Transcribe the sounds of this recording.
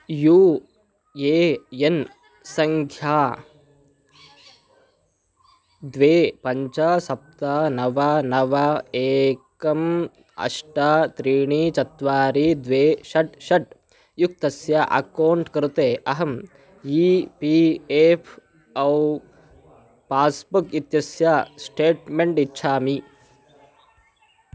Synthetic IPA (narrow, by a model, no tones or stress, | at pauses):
juː | eːjen | sɐŋkʰjaː | d̪ʋeːpɐɲt͡ʃasɐp̚t̪anɐʋɐnɐʋɐeːkɐm | ɐ̰ʂʈat̪ɾiːɳiːt͡ʃɐt̪ʋaːɾiːd̪ʋeːʃɐʈɕɐʈ̚ | juk̚t̪ɐsjaʔɐ̰kɐwɳʈkɐɾut̪eːʔɐɦɐm | jipiepʰ | ɐw | paːsbukit̪jɐsjaːsʈeːʈmeɳʈitːɕʰaːmi